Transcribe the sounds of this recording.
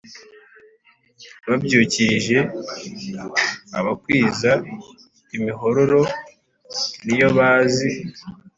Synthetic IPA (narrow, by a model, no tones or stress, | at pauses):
βabɟuːciɾʒe̞ | a̰βakwiːza | imiɦo̞ɾo̞ɾo̞ | nijo̞βaːzi